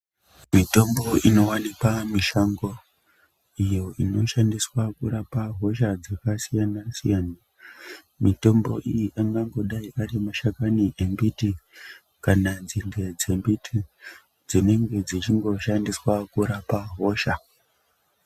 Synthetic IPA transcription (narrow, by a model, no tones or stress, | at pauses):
mito̞mbo̞ino̞wanikamiʃaŋɡo̞ | ijo̞ʔino̞ʃandiswakuɾapaɦo̞ʃad͡zakasijanasḭjana | mito̞mbo̞̰ʔijiʔaŋɡaŋɡo̞ɗaiʔaɾimaʃakaniʔembiti | kanad͡zinde̞d͡ze̞mbitʰi | d͡zine̞ŋɡe̞d͡zit͡ʃiŋɡo̞ʃandiswakuɾapaɦo̞ʃa